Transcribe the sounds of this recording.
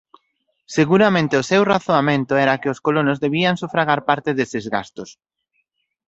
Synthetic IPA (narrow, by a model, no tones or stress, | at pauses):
seɣuɾamẽnt̪ɪʊsewraθoamẽnt̪ʊɛɾakɪʊskolonozðeβiaŋsufɾaɣaɾpaɾt̪ɪðesɪzɣa̰st̪ʊs